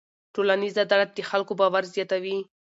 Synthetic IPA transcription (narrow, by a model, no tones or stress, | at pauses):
ʈolanizad̪aɽad̪əxalkobɑwaɾzjɑt̪awi